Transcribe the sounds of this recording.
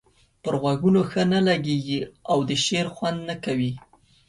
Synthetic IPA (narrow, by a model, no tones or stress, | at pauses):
pəɾɣwaɡunoxənalaɡeɡiawd̪əʃeɾxwand̪nakawi